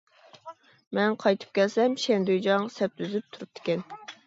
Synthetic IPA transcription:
mɛnqʰɑjt̪ʰɨ̥p̚kʲɛlsɛmʃɛnd̪yjd͡ʒɑŋsɛp̚t̪ʰyzyp̚t̪ʰuɾup̚t̪ʰɪ̥kʲɛn

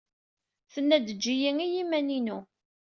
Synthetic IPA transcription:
θənːæd̪əd͡ʒːijiŋijimæninu

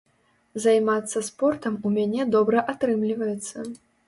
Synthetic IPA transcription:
zajmat̪sːɐspɔrt̪ɐmumʲanʲɛd̪ɔbɾɐʔat̪ɾɨmlʲivɐjɛt̪sːɐ

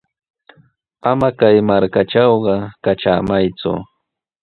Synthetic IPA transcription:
amakajmaɾkaʈ͡ʂɑwɢɑkaʈ͡ʂa̰ːmajt͡sʊ̰

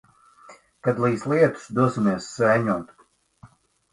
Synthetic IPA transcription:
kad̪lˠiːslˠiɛt̪u̥sd̪uɔsimiɛsːɛjɲɔt̪

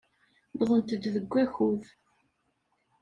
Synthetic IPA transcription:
bðˤənt̪əd̪ðəɡʷːæçuð

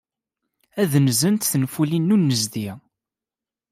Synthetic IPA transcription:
æðnzənt̪θənfulinːunːəzd̪i

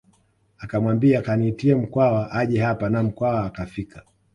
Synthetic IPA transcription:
akamwambiakaniːtiɛm̩kwawaʔaʄɛɦapanam̩kwawaːkafikʰḁ

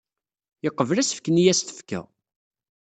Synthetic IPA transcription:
jəqːəvlæsə̥fkːənijæst̪ə̥fkæ̰

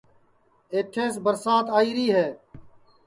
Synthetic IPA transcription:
eːʈʰeːs̬bəɾsaːt̪aːiːɾiːɦɛː

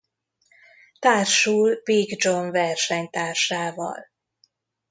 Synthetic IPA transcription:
t̪aːrʃuːlbiɡd͡ʒoɱvɛrʃɛɲt̪aːrʃaːvɒ̰l

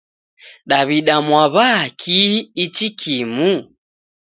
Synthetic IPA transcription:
ɗaβiɗamwaβakʰiːt͡ʃikʰimu

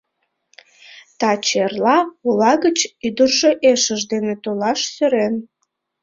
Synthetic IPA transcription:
t̪ɑt͡ɕerlɑulɑɣət͡ɕyd̪ərʒeʔeʃəʒd̪enet̪olɑʃsøɾen

